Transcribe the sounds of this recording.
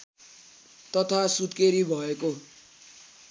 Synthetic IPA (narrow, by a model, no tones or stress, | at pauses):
t̪ʌt̪ʰasut̪keɾibʱʌeko